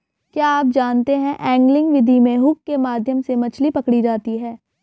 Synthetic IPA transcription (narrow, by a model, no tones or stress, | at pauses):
kjaːaːp̚d͡ʒaːnt̪eɦɛ̃ʔɛ̃ːŋɡlɪ̃ŋɡʋɪd̪ʱimẽɦʊkːemaːd̪ʱjəmsemɐt͡ʃʰlipɐkɽid͡ʒaːt̪iɦɛː